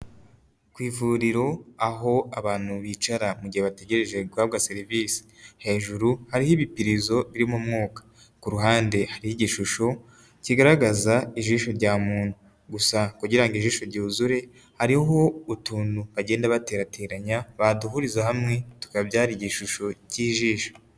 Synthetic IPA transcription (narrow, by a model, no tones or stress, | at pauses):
kwiːvuɾiɾo̞aɦo̞aβaːn̥huβit͡ʃaɾamuɟiheβate̞ɟe̞ɾe̞ʒe̞ɡwaːβɡase̞ɾivisi̥he̞ːʒuɾuhaɾihiβipiɾizo̞βiɾimomŋoːkḁ | kuɾuɦaːnde̞haɾihiɟiʃuʃo | ciɡaɾaɡazaiʒiːʃo̞ɾɟaːmuːn̥hu | ɡusakuɟiɾaŋɡiʒiːʃo̞ɾɟuːzuɾe̞ | haɾiɦo̞utuːnuβaɟe̞ːndaβate̞ːɾatʰe̞ːɾaɲaβaduɦuɾizahamŋe̞tu̥kaβbɟaːɾiɟiʃuʃoɟiːʒiːʃo̥